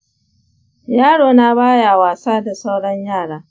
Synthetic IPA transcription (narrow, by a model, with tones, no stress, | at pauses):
jaː˦ɽoː˨na˦baː˦jaː˨waː˨saː˦da˨sa˦wɽɔ˦ɲjaː˦˨ɽaː˦